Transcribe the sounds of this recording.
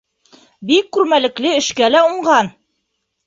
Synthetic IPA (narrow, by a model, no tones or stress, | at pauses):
bikːʉɾmælɘ̆klɘɘ̆ʃkælæuɴɢɑn